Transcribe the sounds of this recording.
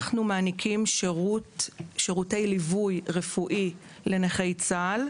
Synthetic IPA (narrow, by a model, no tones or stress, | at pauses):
χnumaːnikʰimʁutʃeʁute̞jlivujʁefuʔi | le̞neχejt͡sal